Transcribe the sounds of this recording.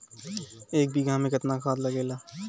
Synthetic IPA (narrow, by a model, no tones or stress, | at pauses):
eːk̚bʱiɡãːmẽkɐt̪nakʰaːt̪lɐɡeːlaː